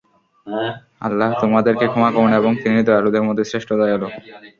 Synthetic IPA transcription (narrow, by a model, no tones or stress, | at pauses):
a̰lːaɦt̪omad̪eɾkekʰɔmakɔɾneboŋt̪init̪oalod̪eɾmɔt̪ːesɾeʃʈod̪ajɦɛlo